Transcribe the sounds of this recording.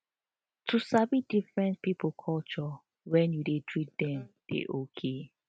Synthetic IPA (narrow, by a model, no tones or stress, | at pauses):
tʰusabidifɹɛ̃nt̚pipkʰɔlt͡ʃɔ | wɛ̃njudetɹit̚dɛ̃md̥ḛʔokʰe